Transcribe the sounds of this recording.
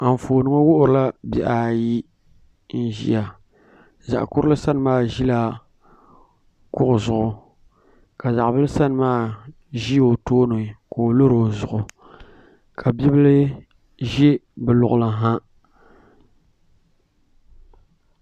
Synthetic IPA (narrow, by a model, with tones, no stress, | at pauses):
a˨m˨foː˨nɨ˦ŋo˦wʊ˦ʔʊ˨ɾɨ˦la˦bi˨ʔa˨ji˦ | n̩˦ʒḭ˦a˨ | za̰˨ʔkʊ˦ɾɨ˦lɨ˦sa˦n˨maː˦˨ʒi˦la˦ | kʊ˦ʔʊ˨zʊ˨ʊ˨ | ka˨za˨ʔbɨ˦lɨ˦sa˦n˨maː˦ | ʒi˦jo˨toː˦no˨koː˨lo˦ɾo˨zʊ˨ʔʊ˨ | kʰa˨bi˦bɨ˦lɨ˦ | ʒɛ˦bɨ˨lʊ˨ʔʊ˨la˨ɦa˦